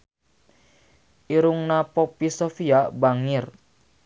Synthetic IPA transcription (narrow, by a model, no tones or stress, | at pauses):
iɾuŋnapɔpisofiabaŋɪr